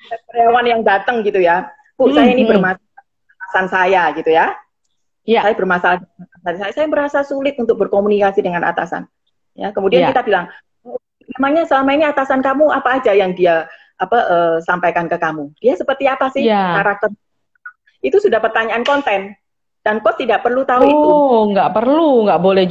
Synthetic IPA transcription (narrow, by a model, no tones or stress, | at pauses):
apəlewanjaŋdat̪əŋɡit̪uja | pʊʔsajainibərmasa | at̪asansajaɡit̪uja | sajabərmasaladəmaansansajasajaməɾasasulɪt̪̚unt̪ʊk̚bərkomunikasidəŋana̰t̪a̰sa̰n | ja̰kəmudiankit̪abilaŋ | mamaŋɲasəlamainiat̪asankamuapaːd͡ʒajaŋdia | ʔapaʔəːsampajkankəkamud̥iasəpərt̪iapasɪhkaɾak̚t̪ər | it̪usudahpərt̪aɲaʔːnkɔnt̪ɛn | d̥ankɔtt̪ːidaʔpərlut̪auiuŋɡaʔpərluŋɡaʔbolɛh